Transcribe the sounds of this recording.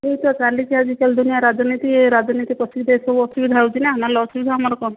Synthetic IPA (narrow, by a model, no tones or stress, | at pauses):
ɦet͡ʃɔt͡ʃalikiad͡ʒikald̪unijaɾad͡ʒɔnit̪iɾad͡ʒɔnit̪ipɔsid̪esɔbɔsubid̪ʱawt͡ʃʰinɛɦnalɔɔsubid̪ʱaɦamaɾɔkɔn